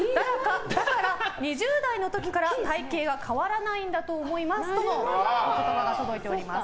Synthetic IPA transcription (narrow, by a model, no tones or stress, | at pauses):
d̪aɾakad̪akaɾaɲ̟iʑɨːd̪aino̞t̪o̞kʲi̥kaɾat̪aike̞ːɡakʰaβaɾanaĩnd̪at̪o̞ːmo̞imasɨ̥t̪o̞no̞okakaɡaɡat̪od̪o̞it̪e̞oɾʲimas